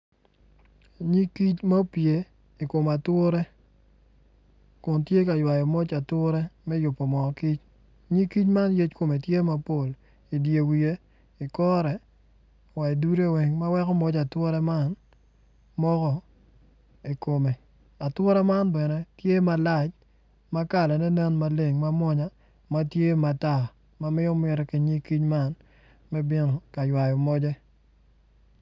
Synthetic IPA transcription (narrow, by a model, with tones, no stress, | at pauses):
ɲi˦ki˦t͡ʃma˦pje˨ | i˨ko˨ma˨twʊ˦ɾe˦ | kʊ˨ntje˦ka˨jwa˨jɔ˨mo˦t͡ʃa˨tʊ˦ɾe˦mɛ˦jʊ˨pːo˨mɔ˨ki˦t͡ʃ | ɲi˦ki˦t͡ʃma˦nje˦t͡ʃko˨me˨tje˦ma˦po˦˨l | i˨dje˨wi˨e˦ | i˨kɔ˦ɾɛ˨ | wa˨i˨du˦ɾe˦˨wɛ˨ŋma˦wɛ˦kɔ˦mɔ˦t͡ʃa˨two˦ɾɛ˦ma˦n | mɔ˦kɔ˦ | i˨ko˨me˨ | a˨twɔ˦ɾɛ˦ma˦nbɛ˨nɛ˦tje˦ma˨la˦˨t͡ʃ | ma˦ka˨lɛ˨nɛ˦nɛ˦nma˦le˨ŋma˦mwɔ˦ɲa˦ | ma˦tje˦ma˨ta˦˨ | ma˦mɪ˦jɔ˦mɪ˨ɾɛ˦ki˨ɲi˦ki˦ɲma˦n | mɛ˦bɪ˦nɔ˨ka˨jwa˨jɔ˨mɔ˦d͡ʒɛ˦